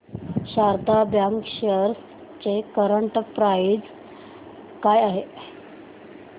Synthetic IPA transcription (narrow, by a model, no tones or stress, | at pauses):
ɕaɾd̪abjaŋkɕəɾs | t͡sekəɾəɳʈpɾaid͡z | kajaɦe